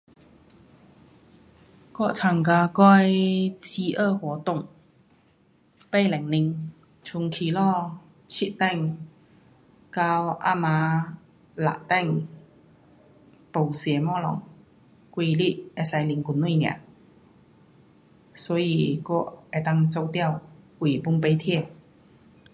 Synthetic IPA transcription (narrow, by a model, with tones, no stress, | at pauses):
kɔ˥˨ʔt͡sʰa˨˩ŋka˧kɔ˥˧˥jt͡ɕi˧ʔəː˥˧hwɔ˨˦t̪ʊ˥˩˨ŋ | pe˥˧jlɛ˨˩ŋni˧ŋ | t͡ɕʰu˧˩ŋkʰi˨˩lɔ˥˧ | t͡ɕʰi˧˥ʔ̚t̪ɛ˥˧˨ŋ | ka˧wʔa̰˥˧mã˧ | la̰˨t̪ɛ˥˨ŋ | po˨˩wsjɛ˨˩mɔ˧˥lɔ̰˨˦ŋ | kwi˧li˦˧˥e˧sa˧jli˧ŋku˧˩nwi˥˧˨njã̰˨˦ | sɔ˨˦i˧˩kɔ˥˧e˧˩t̪a˥˧˨ŋt͡so˧wt̪ja˥˧˨wkwi˨˩pu˧˥ŋpe˧jt̪ʰjɛ˥˩